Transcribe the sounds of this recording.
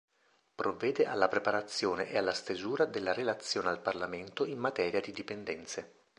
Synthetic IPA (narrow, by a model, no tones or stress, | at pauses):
pɾovːɛːd̪eʔa̰lːapɾepaɾat̪sːjoːnḛʔealːast̪ezuːɾad̪elːaɾelat̪sːjoːnealparlament̪oimːat̪ɛːɾjad̪id̪ipend̪ɛnt̪se